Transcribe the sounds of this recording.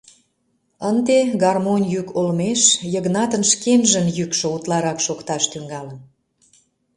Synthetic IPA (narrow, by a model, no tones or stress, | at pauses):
ənd̪eɡɑrmonʲjykolmeʃjəɣnɑt̪ənʃkenʒə̆njykʃŏut̪lɑɾɑkʃokt̪ɑʃt̪yŋɡɑlən